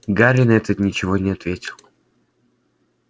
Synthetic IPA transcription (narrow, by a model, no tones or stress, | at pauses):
ɡaɾʲɪnɛt̪ət̪nʲɪt͡ɕɪvonʲɪɐt̪vʲetʲɪlˠ